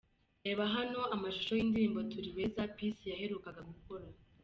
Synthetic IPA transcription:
eβaɦano̞amaʃu̥ʃo̞jindiɾiːmbo̞tuɾiwezapisijaɦe̞ɾuːkaɡaɡuko̞ɾa

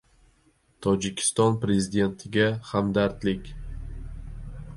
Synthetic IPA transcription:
t̪ʰɒd͡ʒɪkʲʰɪ̥st̪ɒnpɾe̞zɪd̪e̞nt̪ʰɪɡʲahamd̪aɾt̪lɪkʲ

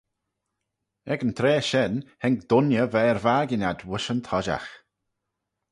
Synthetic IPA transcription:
ɛɡənt̪ʰɾeːʃɛnhɛŋk̚d̪̥ʊnjəvɛːɹvaːɡɪnʲad̪wʊʃənt̪ʰɔʒa̰x

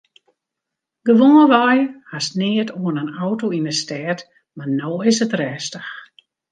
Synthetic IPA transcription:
ɡ̥əʋoːnəʋɔjhasnɪətoənənɔwtoinəstɛːt | marnoːɪsətrɛːstəx

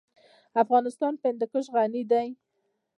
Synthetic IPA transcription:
afɣɑnɪst̪ɑnpɪnd̪ɪkəʃ̬ɣanid̪aj

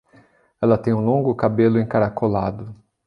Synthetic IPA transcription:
ɛlɐt̪ẽj̃ũlõŋɡʊkabelʊẽkaɾakolad̪ʊ

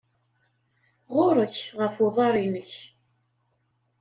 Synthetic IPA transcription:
ʁoɾˤəçʁəfoðˤɑɾˤinəç

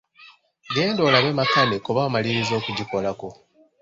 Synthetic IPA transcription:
ɡe̞ːndo̞ːlaβe̞makanekoβaːmaliɾizo̞ːkuɟiko̞lako̞

